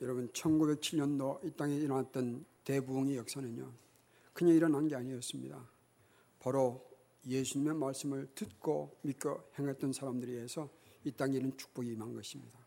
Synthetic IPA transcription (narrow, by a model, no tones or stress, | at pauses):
jʌɾʌbunt͡ɕʰʌnɡube̞k̚t͡ɕʰiɭɲʌndoit͈aŋeiɾʌnat̚t͈ʌnte̞buŋijʌk̚s͈anɯɲo | kɯɲeiɾʌnɦanɡe̞aɲiʌs͈ɯmɲḭda̰ | pʌɾo | jesʰuɲime̞maɭs͈ɯmɯɭtɯt̚k͈omik͈ʌhe̞ŋɦat̚t͈ʌnsʰaɾamdɯɾiesʰʌit͈aŋenɯnt͡ɕʰu̥k̚p͈ʌɡiːmanɡʌɕʰimɲida